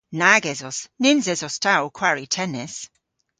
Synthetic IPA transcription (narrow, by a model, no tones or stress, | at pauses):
naɡɛzɔsnɪnzɛzɔstʰawkʰw̥aɹitʰɛnɪs